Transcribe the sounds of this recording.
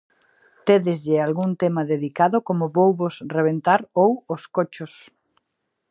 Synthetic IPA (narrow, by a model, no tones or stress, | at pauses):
t̪eðɪzʎɪalɣunt̪emɐðeðikaðʊkomʊβowβosreβ̞ent̪aɾowʊskot͡ʃʊs